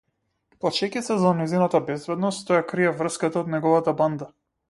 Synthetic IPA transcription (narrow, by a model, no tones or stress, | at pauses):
plˠat͡ʃɛkʲit̪sɛzanɛzinat̪abɛzbɛd̪nɔst̪t̪ɔjakɾiɛvr̩skat̪aɔd̪nɛɡɔvat̪aband̪a